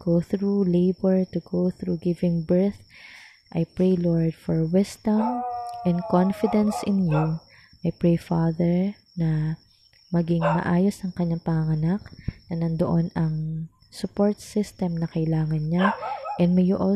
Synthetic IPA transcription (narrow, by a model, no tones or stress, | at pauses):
ɡ̥owθɾulejbɛɹt̪ʊɡowθɾuɡɪvɪŋbɛɹθ | ʔɐjpɹejloɹd̪fɔɹwɪsd̪ɐmʔɛ̃nd̪konfɪd̪ɐnsʔɪnju | ʔɐjpɹejfaðɛɹ | nɐ | mɐɡɪŋmɐ̰ʔaːjosɐŋkɐɲːaŋpɐŋɐŋɐnak̚nɐnɐnd̪oʔonɐŋ | sʊpoɹt̪sɪst̪ɛmnɐkɐʔɪlaːŋɐnɲaʔɛnd̪mɛjʊʔo